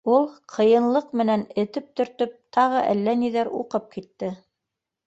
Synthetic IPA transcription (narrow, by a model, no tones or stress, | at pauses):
ulˠqʰɤ̆jɤ̆nlˠɤqmɘ̆nænɘ̆t̪ɘp̚t̪ɵ̆ɾt̪ɵp̚t̪ɑʁɤʔæ̰lːæniðæɾṵqɤp̚kit̪ːɘ